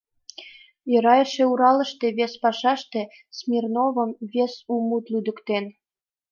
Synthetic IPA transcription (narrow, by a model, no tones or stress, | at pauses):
jə̆ɾɑjəʃeuɾɑlə̆ʃt̪eβespɑʃɑʃt̪e̽ | smʲirnoβə̆mβesumut̪lyd̪ə̆kt̪en